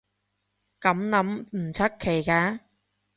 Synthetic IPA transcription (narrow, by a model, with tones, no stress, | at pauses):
kɐ˨˥mnɐ˨˥mm̩˨˩t͡sʰɐ˥k̚kʰːe˨˩jkaː˧˥